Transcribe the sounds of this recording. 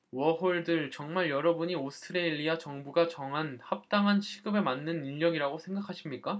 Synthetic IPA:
wʌɦoɭdɯɭt͡ɕʌŋmaɭjʌɾʌbuɲiosʰɯ̥tʰɯɾeʎːiat͡ɕʌŋbuɡat͡ɕʌŋɦanhap̚t͈aŋɦant͡ɕʰiɡɯbe̞manːɯniʎːʌɡiɾaɡosʰe̞ŋɡakʰaɕʰimɲik͈a

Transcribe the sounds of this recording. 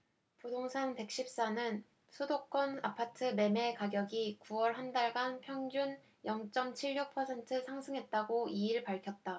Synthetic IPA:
podoŋsʰante̞k̚ɕ͈ip̚s͈anɯn | sʰudok͈ʌnapʰatʰɯme̞me̞kaɡjʌɡikuwʌɭɦandaɭɡanpʰjʌŋd͡ʑun | jʌŋt͡ɕ͈ʌmt͡ɕʰiɭːuk̚pʰʌsʰe̞ntʰɯsʰaŋsʰɯŋɦe̞t̚t͈aɡoiiɭpaɭkʰjʌt̚t͈a

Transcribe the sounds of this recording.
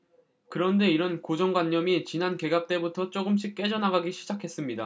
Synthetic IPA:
kɯɾʌnde̞iɾʌnkod͡ʑʌŋɡwaɲːʌmit͡ɕinanke̞ɡap̚t͈e̞butʰʌt͡ɕ͈oɡɯmɕ̬͈ʰik̚k͈e̞d͡ʑʌnaɡaɡiɕʰid͡ʑakʰe̞s͈ɯmɲida

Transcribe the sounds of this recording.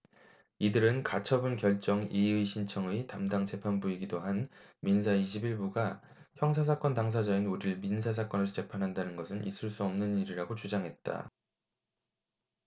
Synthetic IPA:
idɯɾɯnkat͡ɕʰʌbɯnkjʌɭt͡ɕ͈ʌŋiɯiɕʰint͡ɕʰʌŋɯitamdaŋt͡ɕe̞pʰanbuiɡidoɦanmins̬ʰaiɕʰibiɭbuɡa | çjʌŋs̬ʰas̬ʰak͈ʌntaŋs̬ʰad͡ʑainuɾiɯɭminsʰas̬ʰak͈ʌnɯst͡ɕe̞pʰanɦandanɯnɡʌsʰɯnʔḭs͈ɯɭs͈uʌmnɯniɾiɾaɡot͡ɕud͡ʑaŋɦe̞t̚t͈a̰

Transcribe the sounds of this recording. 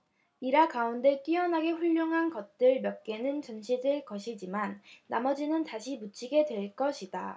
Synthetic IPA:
iɾakaunde̞k͈iʌnɦaɡe̞ɸuʎːoŋɦanɡʌt̚t͈ɯɭmjʌk̚k͈e̞nɯnt͡ɕʌnɕʰidɯɭkʌɕʰid͡ʑimanːa̰mʌd͡ʑinɯntaɕʰimut͡ɕʰiɡe̞dwe̞ɭk͈ʌɕʰida

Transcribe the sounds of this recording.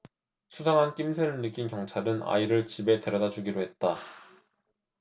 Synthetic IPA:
sʰusʰaŋɦank͈imsʰe̞ɾɯɭnɯk͈inkjʌŋt͡ɕʰaɾɯna̰iɾɯɭt͡ɕibe̞te̞ɾʌdad͡ʑuɡiɾoɦe̞t̚t͈a

